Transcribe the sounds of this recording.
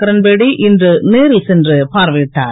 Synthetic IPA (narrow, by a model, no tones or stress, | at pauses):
kɐɾɐnbeɽiʔɪndrɯneːɾɪlsɛndrɯpaːɾʋɐʈːa̰ːɾ